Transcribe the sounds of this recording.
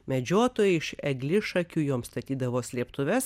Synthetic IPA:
mʲɛd͡ʒʲoːt̪oːjɛɪʃɛɡlʲɪʃɐkʲuːjoːmst̪ɐt̪ʲiːd̪ɐʋoːsʲlʲiɛpt̪ʊʋʲɛs

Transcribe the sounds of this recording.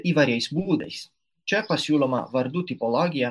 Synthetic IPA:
iːʋɐɾʲɛjsbuːd̪ɛɪs | t͡ʃʲɛpɐsʲuːlˠɔmɐ̰ʋɐɾd̪ut̪ʲipɔlˠɔɡʲɪjɛ

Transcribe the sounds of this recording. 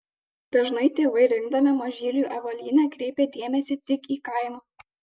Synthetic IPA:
d̪̥ɐʒnɐɪt̪ʲeːʋɐɪɾʲɪŋɡd̪ɐmʲɛmoʒʲiːlʲuʔɐʋɐlʲiːnʲɛkɾʲɛɪpʲeːd̪ʲeɛmʲɛsʲɪt̪ʲɪkiːkɐˑɪmɑ

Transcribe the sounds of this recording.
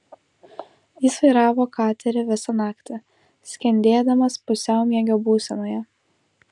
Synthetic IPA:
jiˑsʋɐɪɾɑːʋoːkɑːt̪ʲɛɾʲɛʋʲɪsɐnɑːkt̪ʲɪ | sʲkʲɛnʲd̪ʲeːd̪ɐmɐspʊsʲɛʊmʲiɛɡʲoːbuːsʲɛnoːjɛ

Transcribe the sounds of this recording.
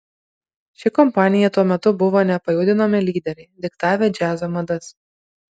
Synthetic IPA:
ʃʲɪkɔmpɑːnʲɪjɛt̪uɔmʲɛt̪ʊbʊʋoːnʲɛpɐjuːd̪ʲɪnomʲɪlʲiːd̪ʲɛɾʲɛɪd̪ʲɪkt̪ɑːʋʲeːd͡ʒʲæːzomɐd̪ɐs

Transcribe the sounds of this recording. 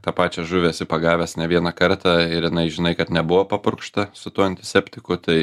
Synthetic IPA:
t̪ɑːpɑːt͡ʃʲɛʒuʋʲeːsʲɪpɐɡɑːʋʲɛsnʲɛʋʲiɛnɑkɐɾt̪ɑːɪɾjɪnɐɪʒʲɪnɐɪkɐt̪nʲɛbʊʋoːpɐpʊɾkʃt̪ɐsʊt̪uːɐnʲt̪ʲɪsʲɛpʲt̪ʲɪkʊt̪ɐɪ

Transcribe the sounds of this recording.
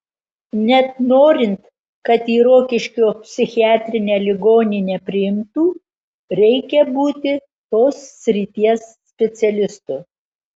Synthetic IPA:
nʲɛt̪noːɾʲɪnt̪ | kɐt̪iːɾoːkʲɪʃʲkʲoːpʲsʲɪxʲɪæːt̪ʲɾʲɪnʲeːlʲɪɡoːnʲiːnʲɛpʲɾʲɪjɪmt̪uː | ɾʲɛɪkʲɛbuːt̪ʲɪ | t̪oːsːʲɾʲit̪ʲiɛsːʲpʲɛt̪sʲɛlʲɪst̪ʊː

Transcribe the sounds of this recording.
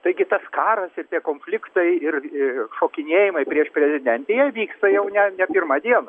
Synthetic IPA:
t̪ɐɪɡʲɪt̪ɐskɑːɾɐsɪrt̪ʲiɛkoːnʲfʲlʲɪkt̪ɐɪɪrɪʃoːkʲɪnʲeːjɪmɐɪpʲɾʲiɛʃpʲɾʲɛzʲɪd̪ʲɛnʲt̪ʲejɛʋʲiːkst̪ɐjɛʊnʲɛnʲɛpʲɪrmɑd̪ʲiɛnɐ

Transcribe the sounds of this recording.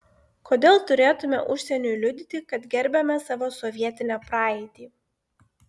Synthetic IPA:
kʰoːd̪ʲeːlˠt̪ʊɾʲeːt̪ʊmʲɛ̰ʔʊʃʲsʲɛnʲʊjlʲʊd̪ʲɪt̪ʲɪkɐt̪ɡʲɛɾʲbʲɛmʲɛsɑːʋoːsɔʋʲiɛt̪ʲɪnʲɛpɾɑːɛɪt̪ʲiː

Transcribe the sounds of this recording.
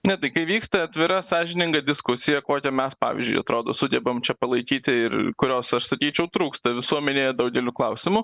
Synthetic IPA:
nʲɛt̪ɐɪkɐɪʋʲiːkst̪ɐɐt̪ʲʋʲɪɾɐsɑːʒʲɪnʲɪŋɡɐd̪ʲɪskʊsʲɪjɛkoːkʲɛmʲɛspɑ̰ːʋʲḭzʲd͡ʒʲʊ̰ɪɐt̪ɾoːd̪o̰ːsʊd̪ʲɛbɐmt͡ʃʲɛpɐlˠɐɪkʲiːt̪ʲɪɪrkʊɾʲoːsɐʃsɐkʲiːt͡ʃʲɛʊt̪ɾuːkst̪ɐʋʲɪsuɔmʲɛnʲeːjɛd̪ɐʊɡʲɛlʲʊklˠɐʊsʲɪmʊ

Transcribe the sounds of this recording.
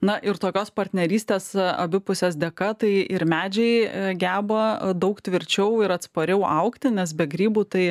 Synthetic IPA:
nɐʔɪɾt̪oːkʲoːspɐrʲt̪ʲnʲɛɾʲiːsʲt̪ʲeːsɐ̰bʲɪpʊsʲɛs̬d̪ʲɛkɐt̪ɐɪʔɪɾmʲæːd͡ʒʲɛɪɡʲæːbɐd̪ɐʊkt̪ʲʋʲɪɾʲt͡ʃʲɛʊɪɾɐt̪spɐɾʲɛʊʔɐʊkt̪ʲɪnʲɛsbʲɛɡɾʲiːbuːt̪ɐɪ

